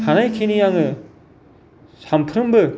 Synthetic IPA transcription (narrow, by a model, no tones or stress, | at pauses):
hanajkʰenijaŋɯ | sampʰɾɯmbɯ